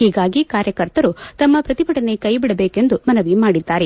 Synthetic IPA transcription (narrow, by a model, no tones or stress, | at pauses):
hiːɡaːɡikaːɾjɐkɐɾt̪ɐɾut̪ɐmːɐpɾɐt̪ipɐʈɐne̞kɐjbiɽɐbeːkend̪umɐnɐʋimaːɽid̪ːaːɾe